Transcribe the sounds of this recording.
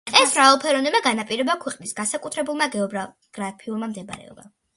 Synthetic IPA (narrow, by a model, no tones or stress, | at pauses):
ɛsmɾavɛlˠpʰɛɾɔnɛmaɡanapʼiɾɛbakʰwɛqʼnisɡ̥asakʼut̪ʰɾɛbulˠmaɡɛɔba | ɡ̥ɾapʰiulˠmamd̪ɛb̰ɾɛ̰ɔ̰ba̰